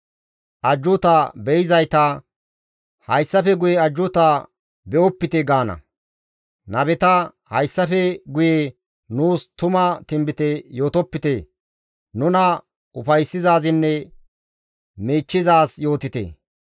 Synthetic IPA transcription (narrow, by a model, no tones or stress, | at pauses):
ʔɐd͡ʒːʊt̪abɛjɪzɐjt̪ɐ | hɐjsːɐfɛɡʊjɛɐd͡ʒːʊt̪a | bɛʔɔpːɪt̪ɛɡaːnɐ̰ | nɐbɛt̪ɐ | hɐjsːɐfɛɡʊje | nuːst̪ʊmɐt̪ɪmbɪt̪ɛjo̞ːt̪ɔpːɪt̪e | nʊnɐ | ʊfɐjsːɪzaːzɪnːɛ | miːt͡ʃːɪzaːsjo̞ːt̪ɪt̪ḛː